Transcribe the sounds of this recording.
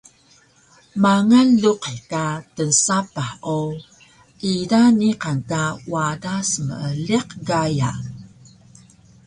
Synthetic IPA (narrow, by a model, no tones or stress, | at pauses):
maŋanluqekatənsapao | ʔidaniqankawadasmə̰əliqɡaja